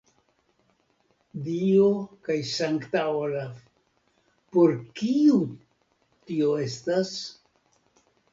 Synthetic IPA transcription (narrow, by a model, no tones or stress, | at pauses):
diokajsaŋktaolaf | po̞ɾkiu | tio̞e̞stas